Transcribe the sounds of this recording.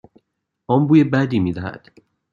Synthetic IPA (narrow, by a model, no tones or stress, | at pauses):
ʔɒːmbuːjebæd̪iːmiːd̪æhæ̰d̪̥